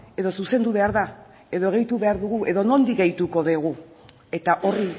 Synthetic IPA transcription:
e̞ðo̞suse̞nd̪uβ̞e̞aɾða | e̞ðo̞eɣejt̪uβe̞aɾðuɣuʔe̞ðo̞no̞nd̪ikɡejt̪uko̞ðeɣ̞u | e̞t̪aʔo̞ri

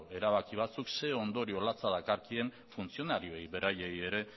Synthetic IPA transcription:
e̞ɾaβakiβ̞at͡sukse̞o̞nd̪o̞ɾio̞lat͡saðakaɾkie̞ɱ | funt͡sio̞naɾio̞ejβe̞ɾʔajeje̞ɾe̞

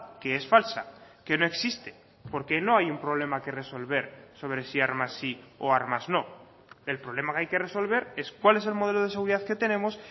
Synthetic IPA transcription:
keesfalsake̞no̞e̞ksist̪e̥ | po̞ɾke̞no̞ajumpɾoβ̞le̞make̞re̞so̞lβ̞e̞ɾso̞βɾe̞siaɾmasːioaɾmazno̞ | e̞lpɾoβle̞makeajke̞re̞so̞lβ̞e̞ɾe̞skwale̞se̞lmo̞ð̞e̞lo̞ð̞es̬euɾiðaðke̞t̪e̞nẽ̞mo̞s

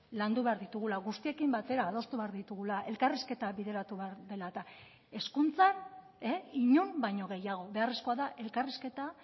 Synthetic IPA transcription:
land̪uβe̞aɾðit̪uɣ̞ulaɣust̪ie̞kimbat̪e̞ɾaːð̞o̞st̪uβe̞aɾðit̪uɣ̞ulaʔe̞lkariske̞t̪aβiðe̞ɾat̪uβeaɾðe̞lat̪a | e̞skunt͡san | eiɲombajɲo̞ɣ̞e̞jaɣ̞o̞βe̞aresko̞aðaʔe̞lkariske̞t̪a

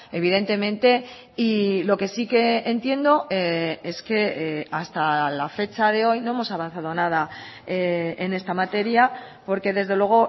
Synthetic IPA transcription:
e̞β̞iðe̞nt̪e̞mẽnt̪e̞ | ilo̞ke̞sike̞ːnt̪je̞nd̪o̞ee̞ske̞ast̪alafe̞t͡ʃaðe̞o̞jno̞emo̞saβan̟θað̞o̞nað̞aeene̞st̪amat̪e̞ɾjapo̞ɾke̞ðe̞zðe̞lwe̞ɣ̞o̞

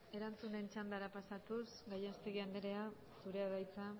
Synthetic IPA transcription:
e̞ɾant͡sunent͡ʃand̪aɾapasat̪usɡajast̪e̞ɣiand̪eɾe̞a | suɾe̞aðajt͡sa

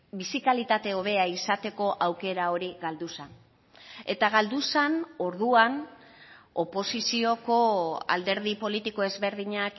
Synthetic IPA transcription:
bisikalit̪at̪e̞o̞βe̞aisat̪e̞ko̞ʔawke̞ɾao̞ɾiɣald̪usan | e̞t̪aɣald̪usano̞ɾðuan | o̞po̞sisio̞ko̞a̰ld̪e̞ɾðipo̞lit̪iko̞e̞zβe̞ɾðiɲak

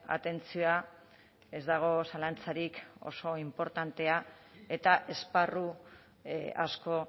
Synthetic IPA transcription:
a̰t̪e̞nt͡sioa | e̞zd̪aɣ̞o̞salant͡saɾiko̞̰so̞impo̞ɾt̪ant̪e̞a | e̞t̪aʔe̞sparu | a̰sko̞

